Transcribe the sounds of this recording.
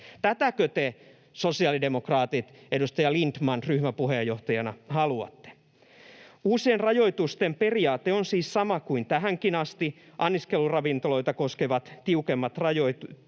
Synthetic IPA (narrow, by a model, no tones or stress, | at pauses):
t̪æt̪ækøt̪e | sosiɑlidemokrɑːt̪it̪edust̪ɑjɑlint̪mɑnryhmæpuhejːoht̪ɑjɑnɑhɑluɑ̰t̪ːe̥ | uːsienrɑjo̞it̪ust̪emperiɑːt̪eonsiːssɑmɑkuint̪æɦæŋkinɑst̪iʔɑnːiskelurɑʋint̪olo̞it̪ɑkoskeʋɑt̪t̪iukemːɑt̪rɑjoit̪u